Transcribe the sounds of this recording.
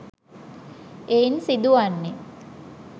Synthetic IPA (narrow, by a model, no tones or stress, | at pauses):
einsid̪uanːe